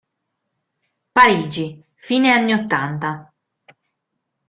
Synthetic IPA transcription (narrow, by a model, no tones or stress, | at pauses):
paɾiːd͡ʒi | fiːneanːiot̪ːant̪a